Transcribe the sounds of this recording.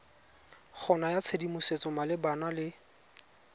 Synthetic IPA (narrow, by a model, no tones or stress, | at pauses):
χʰɔnajat͡sʰedimʊset͡sɔmalɪbanalɪ